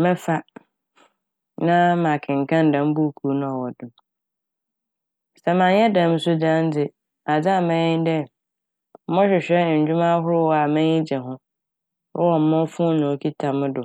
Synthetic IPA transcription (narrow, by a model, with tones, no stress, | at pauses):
mɛ̃˦fa˦ | nã˦mã˨kʰɪ̃˨ŋ̩˨kʰã˦n˨dã˨m˦bʊ˦˨kʰu˨˦nʊ̃˦ɔ˨wɔ˨dʊ̃˨ | sɛ˨mã˨ɲɛ˦dã˨m˦sʊ˦dã˦n˦d͡zɪ˨ | a˨d͡zã˦˨mɛ̃˦jɛ̃˦n˦dɛ˦ | m̩˦mɔ̃˦ɕᶣɪ˨ɕᶣɛ˦˨ɲ̩˨d͡ʑᶣʊ˦mã˦ɦʊ˦ɾʊ˦wɔ˦a˨mɛ̃˦ɲĩ˦d͡ʑɛ˨ɦʊ̃˦ | wɔ˦wɔ˨m̩˦mɔ̃˦fʊ̃˦nʊ̃˨o˦kʰi˦tʰa˨mʊ̃˦dʊ˨